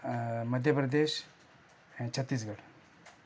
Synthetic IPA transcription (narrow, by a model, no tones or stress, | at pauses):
məd̪ʱjəpɾɐd̪eːʃ | t͡ɕʰət̪ːiːs̬ɡɐɽ